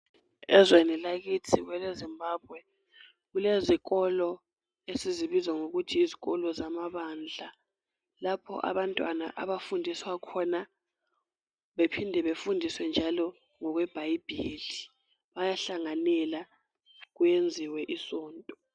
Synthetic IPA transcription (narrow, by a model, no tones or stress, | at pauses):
ɛzwɛnɛlak̬itʰik̬wɛlezimbʱaːb̚ʱwɛ | k̬ulezik̬ɔlɔ | esiziɓizaŋok̬utʰiːziɣ̬ɔlɔzamaβaːnd͡ɮʱa | lapʰɔ̰ʔa̰βantʼwa̰na̰ʔa̰βafundʱiswakʰɔna | ɓepʰindʱɛɓefundʱiswɛnd͡ʒʱalɔ | ŋɔk̬wɛb̥ʱajib̥ʱiɮi | ɓajaɬaŋanɛla | k̬ujend͡zʱiwɛʔisɔːntʼɔ